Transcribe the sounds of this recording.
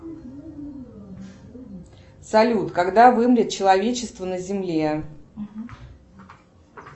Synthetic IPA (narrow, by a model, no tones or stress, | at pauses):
sɐlʲut̪kɐɡd̪avɨmɾʲɪt̪̚t͡ɕɪlˠɐvʲet͡ɕɪst̪vənəzʲɪmlʲe